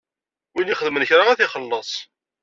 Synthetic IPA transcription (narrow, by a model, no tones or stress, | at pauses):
winɪχəðmənçɾaæθiχəlːəsˤ